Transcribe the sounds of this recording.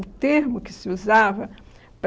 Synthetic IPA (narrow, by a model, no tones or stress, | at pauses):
t̪eɾmʊkɪ̥sɪuzavɐ | p